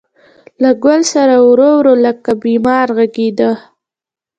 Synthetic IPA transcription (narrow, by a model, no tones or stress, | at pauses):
laɡʊlsaɾawɾowɾoləkabimɑɾɣaɡed̪ə